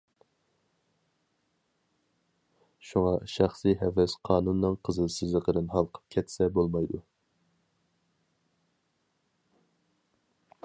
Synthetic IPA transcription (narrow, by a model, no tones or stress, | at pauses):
ʃuŋɑʃɑχsiɦɛvɛsqʰɑːnunːɨŋqʰəzɨlˠsɪzlˠəqʰəd̪ɨnɦɑlˠqʰə̥p̚kʲʰɛt̪sɛbolˠmɑjd̪u